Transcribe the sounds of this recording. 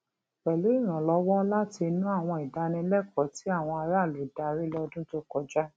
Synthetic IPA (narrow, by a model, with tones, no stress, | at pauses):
wɛ˨lu˨˦i˦˨ɾ̃ã˨lɔ˧˦wɔ˦la˦ti˧nũ˦a˦˨w̃ɔ̃˧i˨da˨˧nĩ˧lɛ˦˨kɔ˨˦ti˨˦a˦˨w̃ɔ̃˧a˧ɾa˦˨le˨da˧ɾi˦lɔ˧dũ˦to˦kɔ˧d͡ʒa˦